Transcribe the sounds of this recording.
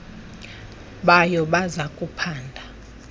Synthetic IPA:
ɓajɔɓazakʼupʰaːndʱa

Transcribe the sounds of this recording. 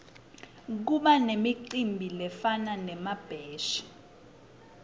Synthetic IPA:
k̬uɓanemiǀimbʱilɛfananɛmab̥ʱɛːʃi̥

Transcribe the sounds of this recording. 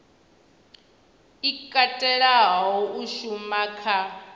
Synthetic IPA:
ikʼatʼɛɺaɦɦɔuʃumakʰa

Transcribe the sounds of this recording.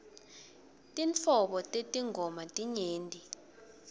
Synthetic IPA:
tʼint͡fʰɔɓɔtʼetʼiŋɡʱɔmatʼiɲeːndʱʼi

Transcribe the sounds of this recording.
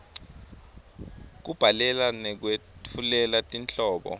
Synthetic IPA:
k̬ub̥ʱalɛlanɛk̬wetʰulɛlatʼint͡ɬʼɔːɓɔ̰

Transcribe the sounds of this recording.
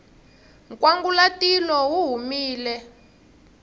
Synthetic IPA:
ŋkwaŋɡulatilɔwuɦumiːlɛ

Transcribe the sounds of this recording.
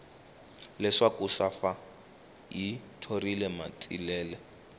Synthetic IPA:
lɛʂakusafa | jitʰorilɛma̰tʼḭlɛːlɛ

